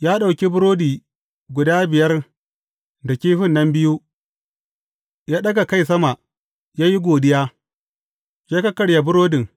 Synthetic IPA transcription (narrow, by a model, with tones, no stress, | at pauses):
jaː˦ɗa˨wkʲi˦bʊ˦ɾoː˦diː˨ | ɡʷʊ˨daː˦bɪ˨jɐ˦r | da˨kʲiː˦ɸɪ˦nːɐ˦mbɪ˦ju˦ | jaː˦ɗɐ˦ɡa˨ka˦˨js̬ɐ˦ma˨ | jaː˦ji˦ɡʷoː˨dɪ˦jaː˦ | jaː˦kɐ˦kɐ˨ɽja˨bʊ˦ɾoː˦dɪ˨ŋ